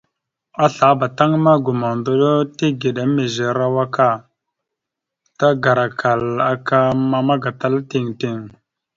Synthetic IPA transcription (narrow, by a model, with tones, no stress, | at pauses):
a˦ɬa˨˦ba˨ta˦ŋma˦ɡu˨ma˨ndo˦ɗo˦ti˦ɡi˨ɗa˨˦me˨ze˨ɾa˦wa˦ka˦˨ | ta˦ɡa˨ɾa˨kʰa˨la˨ka˦ma˦ma˦ɡa˨ta˦lti˨ŋti˨ŋ